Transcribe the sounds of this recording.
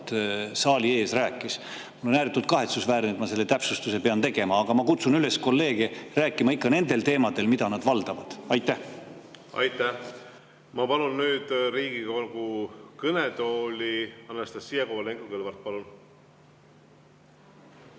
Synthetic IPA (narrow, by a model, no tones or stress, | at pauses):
t̪sɑːlie̞ːsræːkːˑis | mulːo̞næːɾit̪ːˑult̪̚kɑɦe̞t̪susvæːɾnet̪mɑse̞lːe̞t̪æpsust̪use̞pe̞ɑnt̪e̞ɡ̥e̞mɑːɡ̥ɑmɑkut̪sunyle̞sko̞lːe̞ːɡ̥eræːkːˑimɑikːɑne̞nd̪̥e̞lt̪e̞ːmɑd̪e̞lmid̪ɑnɑd̪̥vɑld̪̥ɑvɑd̪̥ɑjt̪ːˑæh | ɑ̰jt̪ːˑæ | mɑpɑlunːyːd̪̥riːɡikokukɯnet̪o̞ːlʲiɑnːest̪ɑssijekowɑleŋɡukelvɑrt̪̚pɑlun